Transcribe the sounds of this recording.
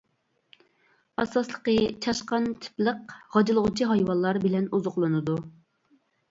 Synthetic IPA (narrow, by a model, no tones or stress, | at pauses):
ɑsɑslˠə̥qət͡ʃʰɑʃqɑnt̪ʰɪ̥plˠəqʁɑd͡ʒɨlˠəʁʊt͡ʃʰiɦɑjwɑlˠːɑɾbɪlɛnuzʊχlˠɨnɨd̪u